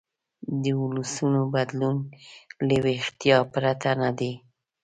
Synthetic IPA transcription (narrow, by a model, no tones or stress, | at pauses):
d̪əʊləsunobad̪lunləwext̪jɑpɾat̪ʰanad̪e